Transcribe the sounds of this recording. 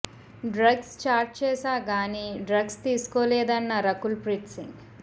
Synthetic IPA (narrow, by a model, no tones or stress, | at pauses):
ɖɾɐɡst͡ʃaːɾʈt͡ʃɛːsaːɡaːniɖɾɐɡst̪iːsu̥koːlɛːd̪ɐnːɐɾɐkulpɾiʈsiŋɡ